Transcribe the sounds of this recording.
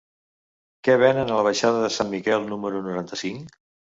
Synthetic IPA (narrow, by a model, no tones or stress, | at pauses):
kɛβ̞ɛnənələβ̞əʃaðəðəsanmikɛlˠnuməɾunuɾant̪əsiŋ